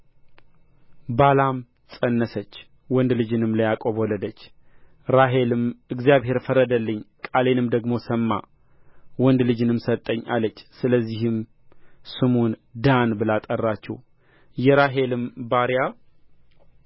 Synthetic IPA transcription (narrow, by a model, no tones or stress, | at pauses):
balam | sʼənːəsət͡ʃː | wɔnd̪lɨd͡ʒɨnɨmləjakʼoβɔləd̪ət͡ʃː | ɾaɦelɨmɨɡzijaβɦe̞ɾfəɾəd̪əlːɨɲːkʼale̞nɨmd̪əɡmo̞səmːa̰ | wɔnd̪lɨd͡ʒɨnɨmsət̪ʼːəɲːa̰lːət͡ʃːsɨləzːihɨm | sɨmond̪anbɨlat̪ʼərːat͡ʃːɛ̰w | jɛɾaɦe̞lɨmbaɾja